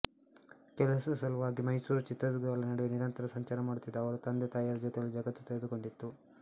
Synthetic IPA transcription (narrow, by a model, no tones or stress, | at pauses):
kɛlɐsɐsɐlɐʋaːɡimɐjsuːɾut͡ʃit̪ːɾɐdɡaːlɐnɐɽɛjeniɾɐnt̪ɐɾɐsɐɲt͡ʃaːɾɐmaːɽut̪ːid̪ːɐɐʋɐɾut̪ɐnd̪et̪aːjaːɾɐd͡ʒɛːt̪ɐɐlːid͡ʒɐɡɐt̪ːu̥t̪eɡed̪uko̞ɳɖit̪ːu